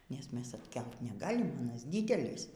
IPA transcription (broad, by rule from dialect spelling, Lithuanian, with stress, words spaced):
nʲɛs ˈmʲɛs ɐtʲˈkʲɛlˠt nʲɛˈɡɑːlʲɪm ɐˈnɐs ˈdʲiːdʲɛlʲɪs